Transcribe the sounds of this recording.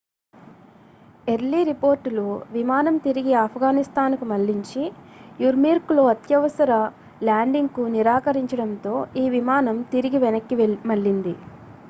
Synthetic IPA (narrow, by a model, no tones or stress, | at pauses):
eɾliɾipo̞ːɾʈuluʋimaːnɐmt̪iɾiɡiaːpʰɐɡaːnist̪aːnkumɐɭːiɲt͡ʃijuɾmiːɾkloːɐt̪jɐʋɐsɐɾɐ | laːɳɖiŋɡkuniɾaːkɐɾiɲt͡ʃɐɽɐnt̪o̞ːiːʋimaːnɐmt̪iɾiɡiʋɛnɐkːimɐɭːind̪i